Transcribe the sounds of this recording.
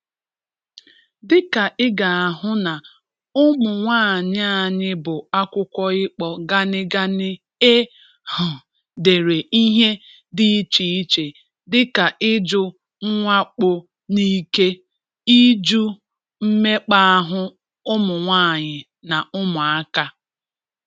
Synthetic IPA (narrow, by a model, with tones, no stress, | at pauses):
dɪ˦ka˨ʔɪ˦ɡa˨a˨ɦʊ˦na˨ | ʊ˦mʊ˨ŋʷaː˦˨ɲɪ˦a˦˨ɲɪ˦bʊ˨a˦kʷʊ˦kʷɔ˦ɪ˦k͡pɔ˦ɡa˦nɪ˦ɡa˦nɪ˦ | e˦ | hʊ˨ | de˨ɾe˨i˦ɦe˦ | di˦t͡ʃi˨i˦t͡ʃe˨ | dɪ˦ka˨ʔɪ˦d͡ʒʊ˦ | ŋ̩˦ŋʷa˦k͡po˨ | ni˦ke˦ | i˦d͡ʒu˦ | m̩˦me˦k͡pa˦a˦ɦʊ˦ | ʊ˦mʊ˨ŋʷaː˦˨ɲɪ˨ | na˨ʊ˦mʊ˨a˦ka˦